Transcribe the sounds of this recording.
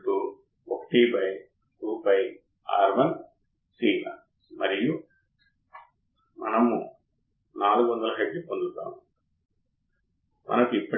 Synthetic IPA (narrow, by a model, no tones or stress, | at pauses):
ʈu | okɐ̥ʈibɐj | kuːpɐj | a̰ːɾʋɐn | siːnɐ̰ | mɐɾiju | mɐ̰nɐmu | naːluɡuʋɐnd̪ɐlɐɦɐɖipond̪ut̪ːa̰ːmu | mʔɐ̰nɐkuipːɐ